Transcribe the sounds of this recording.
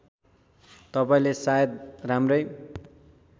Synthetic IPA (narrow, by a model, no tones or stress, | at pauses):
t̪ʌpaĩlesajʌd̪̚ramrʌj